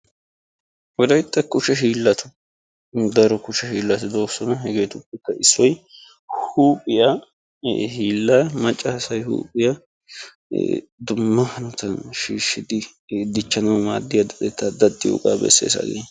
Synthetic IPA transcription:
wɔd̪ɐjt̪ʼːɐkʊʃɛʃiːlːɐt̪ʊ̥ | d̪ɐɾɔkʊʃɛʃiːlːɐt̪ɪd̪o̞ːsːɔnɐɦɛɡe̞ːt̪ʊpːɛkːɐʔɪsːɔj | huːpʼɪja | hiːlːaːmɐt͡ʃʼːɐhɐsɐjhṵːpʼɪjɐ | d̪ʊmːɐhɐnʊt̪ɐnʃiːʃːɪd̪ɪd̪ɪt͡ʃːɐnɐwmaːd̪ːɪjɐd̪ɐd̪ɛt̪ːɐd̪ɐd̪ːɪjo̰kʼa̰ːbɛ̰sːḛːsa̰ɡḛ

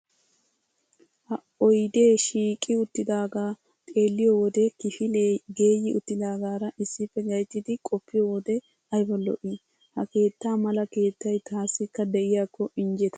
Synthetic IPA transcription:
hɐ | ɔjd̪e̞ːʃiːkʼɪʊt̪ːɪd̪aːɡaː | t̪ʼe̞ːlːɪjɔwɔd̪ɛkɪfɪleɡe̞ːjːɪʔʊt̪ːɪd̪aːɡaːɾɐʔɪsːɪfːɛɡɐjt̪ːɪd̪ɪkʼɔpːɪjɔwɔd̪ɛ | ɐjbɔlːɔ̰ʔi | hɐke̞ːt̪ːaːmɐlɐke̞ːt̪ːɐjt̪aːsːɪkːɐd̪ɛʔɪjaːkːɔʔɪnd͡ʒɛt̪ɐ̥

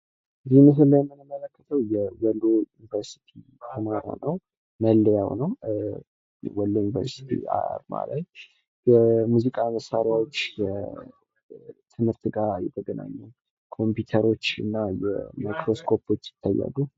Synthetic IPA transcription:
ɨzimɨɦɨllːajɛmːɨnəmələkːə̥t̪ʰəwjɛwəlːojunivəɾsi̥t̪ʰi | t̪ʰəmaɾo̰nəw | məlːəjawnəw | wɔlːojunivə̰ɾsi̥t̪ʰḭa̰ɾma̰laj | jɛmuzikʼaməsːaɾjawot͡ʃːjɛ | t̪ʰɨmhɨɾt̪ʰɨɡaɾjɛt̪ʰəɡəna̰ɲːəw | kʰo̞mpjut̪ʰəɾo̞t͡ʃːɨnːajɛ̰majkʰɾo̞skʰo̞pʰo̞t͡ʃːjɪ̥t̪ʰːajːa̰lːu

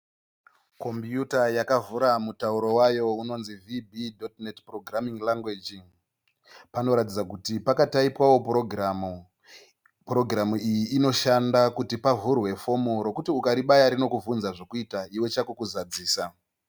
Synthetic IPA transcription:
ko̞mpjutajakavuɾamutauɾo̞wajo̞uno̞nzivibidʱotnetproɡramiŋlaŋɡwed͡ʒiŋ | pano̞ɾatid͡zakutipakataipwawo̞proɡ | pro̞ɡramuijiːno̞ʃandakutipavurwe̞fo̞moɾo̞kutiukaɾiɓajaɾino̞kuvunzaʐokuitaiwe̞t͡ʃakukuzad͡ziːsa

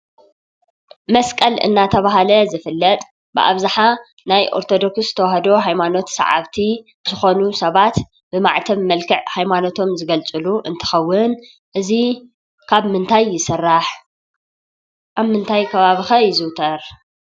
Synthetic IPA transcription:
mɐskʼɐlɨ̰nːat̪ʰɐβaɦalɐzɨfɨlːɐt̪ʼ | bɨ̰ʔa̰βzaħa | najʔo̞̰ɾt̪ʰo̞d̪o̞kssɨ̥t̪ʰɐwaɦɐd̪o̞ɦajmano̞t̪sa̰ʕa̰βt̪ʰi | z̥ɨxo̞nusɐβat̪ | b̥ɨma̰ʕt̪ʰɐβmɐlkʰɨʕhajmano̞t̪ʰo̞mzɨɡɐlt͡sʼɨluʔɨnt̪ʰɐ̥xɐwːʊn | ʔɨzi | kʰaβmɨnt̪ʰajːɪsɨrːaħ | ʔaβmɨnt̪ʰajkʰɐβaβixɐjɪzɨwt̪ʰɐɾ

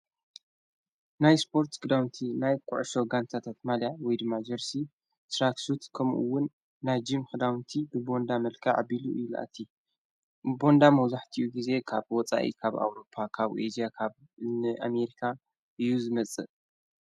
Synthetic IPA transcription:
najspʰo̞ɾt̪kɨd̪awnt̪ʰinajkʼʊʕʃo̞ɡant̪ʰat̪ʰat̪maljawɔjd̪ɨmːad͡ʒɐɾsi | t̪ɾaksut̪kʰɐmʔṵwʊnː | ajd͡ʒimxɨd̪awnt̪ʰibɨbo̞nd̪amɐlkʰɐʕa̰biluʔɨlʔa̰t̪ʰːi | bo̞nd̪amɐwzaħt̪ʰiʔuɡize̞kʰaβwɔt͡sʼa̰ʔḭkʰaβa̰wɾo̞pʰːakʰaβʔed͡ʒiakʰaβ | nɨʔame̞ɾikʰa | ʔɨjuzɨmɐt͡sʼːɨ

